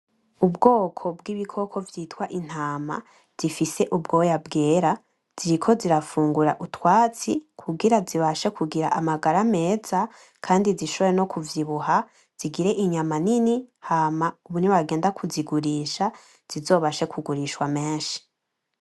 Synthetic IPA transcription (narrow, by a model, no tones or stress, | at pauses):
ubɡo̞ːkʰo̞bɡiβikʰo̞kʰo̞vjiːtwaʔin̥haːma̰ | z̥ifise̞ʔubɡo̞jabɡeːɾa | z̥iɾikʰo̞ziɾafuːŋɡuɾaʔutwaːt͡sikʰuɡiɾaziβaʃekʰuɡiɾa̰ʔamaɡaɾame̞ːza | kʰaːndiziʃoβɾeno̞kʰuvjiβuɦa | z̥iɡiɾe̞ʔiɲamaninihaːmauβuniβaɡe̞ːndakʰuziɡuɾiːʃa | z̥izo̞ːβaʃe̞kʰuɡuɾiʃwame̞ːnʃi̥